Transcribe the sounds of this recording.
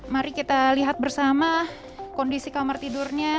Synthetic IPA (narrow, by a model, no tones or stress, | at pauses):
maɾikit̪aliɦat̪̚bərsama | kondisikamart̪idurɲa